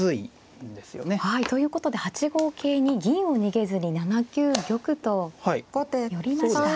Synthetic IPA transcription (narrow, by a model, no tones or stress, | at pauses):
ɨi | nd̪e̞sɨjo̰nehait̪o̞jɯ̟ːko̞t̪o̞d̪e̞hat͡ɕiɡo̞ːkʰe̞ːɲ̟iɡʲĩɰ̃o̞ɲ̟iɡe̞zɨɲ̟inanakʲɨːɡʲo̞kɯ̟t̪o̞haiojoɾʲimas